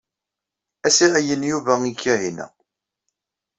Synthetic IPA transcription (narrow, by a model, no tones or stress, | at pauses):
æsiʁæjənjuvæikːiʕinæ̰